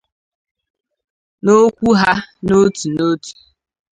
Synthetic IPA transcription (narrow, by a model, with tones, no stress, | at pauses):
no˦kʷu˦ɦa˦no˦tu˨no˦tu̥˨